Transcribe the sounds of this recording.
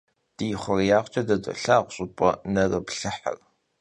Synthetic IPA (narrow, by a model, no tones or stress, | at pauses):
d̥ijɪχʷɔrjaːʁʷt͡ʃʼɐdɐdʷʼɐ̰ɬaːʁʷʊɕʼɪpʼɔnɐrɐbɬɨħa̰r